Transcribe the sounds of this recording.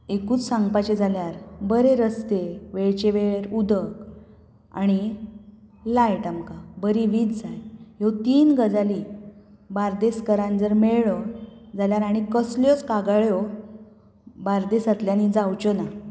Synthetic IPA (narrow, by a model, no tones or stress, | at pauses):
ekuːt͡ssãŋɡpat͡ɕed͡zʱaljaɾbəɾeɾəst̪eʋeɭt͡ɕeʋeɾud̪ək | a̰ɽ̃i | lajʈamkabəɾiʋiːd͡zd͡zajjot̪iːnɡəd͡zali | baɾd̪eskəɾãnd͡zəɾmeɭɭɔd͡zaljaɾaɽ̃ikəsljɔt͡skaɡaɭjɔ | baɾd̪esat̪ljanid͡zawt͡ɕɔna